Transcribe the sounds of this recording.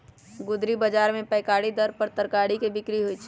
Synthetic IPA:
ɡʊd̪ɾibəd͡ʒaːɾmẽpəɪkaɽid̪əɾpəɾt̪əɾkaɽikebɪkɾiɦoit͡ʃʰ

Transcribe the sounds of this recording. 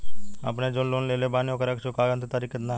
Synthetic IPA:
ə̰pned͡ʒoːnloːnleːlebaːnjõkeɾəkt͡ʃʰʊkaːɡənt̪t̪aɾiːket̪na

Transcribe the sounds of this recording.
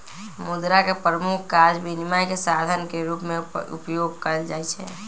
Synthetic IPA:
mʊd̪ɾakepɾəmukʰkːaɾd͡ʒbinimajkesad̪ʱənkeɾupmẽṵpjoɡ̚kəɾld͡ʒaːɛt͡ʃʰɛ

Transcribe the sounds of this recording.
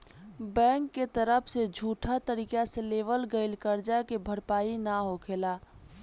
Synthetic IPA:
bɛ̃ːŋkːet̪əɾəpʰsed͡ʒʱuːʈʰat̪əɾiːkaseleːʋəlɡəɪlkəɾd͡ʒakebʱəɾpaːinaɦokʰeːlaː

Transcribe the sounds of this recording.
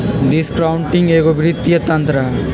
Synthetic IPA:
ɖiskɾawɳʈiŋɡeːɡobʱiɾit̪ːijɐt̪ɐnt̪ɾɐ

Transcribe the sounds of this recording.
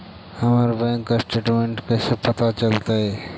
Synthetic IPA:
həməɾbɛ̃ŋkːasʈeːʈmẽɳʈkesepət̪at͡ʃəlt̪aɦɛ

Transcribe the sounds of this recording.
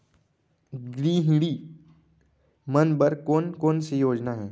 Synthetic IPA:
ɡɾiːɦĩɽiː | mɐnbɐɾkoːnkoːnsejoːd͡ʒnaɦɛː

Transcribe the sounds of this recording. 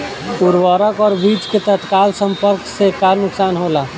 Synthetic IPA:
puɾwaːɾəkɔːɾbiːt͡ʃket̪ət̪kaːlsə̃mpəɾksekaɾnʊksaːnɦoːla

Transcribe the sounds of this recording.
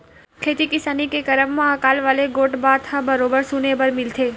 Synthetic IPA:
kʰet̪ikɪsanikekəɾəmːãəkalʋaleɡoʈbaɾt̪ʰabəɾobəɾsunebəɾmilt̪ʰe

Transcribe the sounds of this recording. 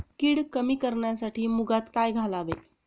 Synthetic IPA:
kiːɽkəmiːkəɾɳjasaʈiːmuɡat̪kajɡʱalaʋḛ

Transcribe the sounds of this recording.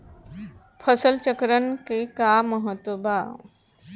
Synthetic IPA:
pʰəsəlt͡ɕəkɾənkikaməɦət̪ʋəbʱa

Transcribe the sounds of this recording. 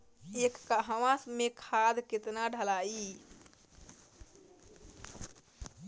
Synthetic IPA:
ekːaɦəʋãsmekʰad̪ket̪naɖʱəlai

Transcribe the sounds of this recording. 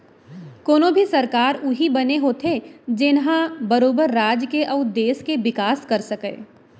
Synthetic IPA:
koːnõbʱisɐɾkaːɾʊɦibɐneɦot̪ʰed͡ʒɪnɦãbɐɾoːbəɾːaːd͡ʒkeʔɐʊd̪eːskeʋɪkaːskɐɾsɐkḛː

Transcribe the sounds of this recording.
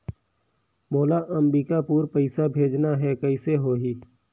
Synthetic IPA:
moːlaʔəmbiːkapuːɾpəɪsabʱeːd͡ʒnaɦɛkɐɪseɦoːɦiː

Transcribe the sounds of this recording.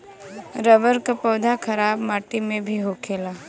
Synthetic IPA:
ɾəʋəɾkapɔːd̪ʱakʰɐɾaːbmaːʈimẽbʱiɦoːkʰeːlaː

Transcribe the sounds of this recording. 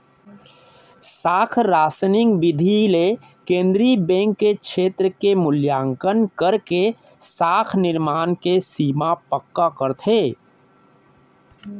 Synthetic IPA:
saːkʰɾaːsnɪ̃ŋɡbɪd̪ʱile | kẽːnd̪ɾibɛ̃ːŋkːekt͡ʃʃʰeːt̪ɾəkemʊljaːŋkənkəɾke | saːkʰnɪɾmaːnkesiːmapəkːakəɾt̪ʰeː

